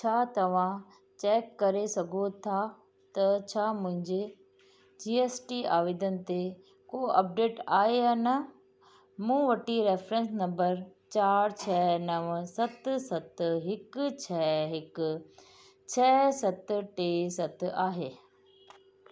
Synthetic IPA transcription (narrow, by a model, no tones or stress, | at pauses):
t͡ɕʰaːt̪ɐʋ̤ã | t͡ɕɛːkːɐɾesɐɡʱot̪ʰa | t̪ɐt͡ɕʰaːmʊ̃ɦɪ̃ɲd͡ʑe | d͡ʑiːeːsʈiaːʋiːd̪ənɪ̆t̪e | koːʔɐp̚ɖeːʈaːɦeaːnɐ | mũːʋɐʈiɾeːfɾə̃nsnɐ̃mbəɾt͡ɕaːɾt͡ɕʰɛːnɐʋsɐt̪sɐt̪ɦɪkt͡ɕʰɛːɦɪkʊ | t͡ɕʰɛːsɐt̪ʈeːsɐt̪aːɦeː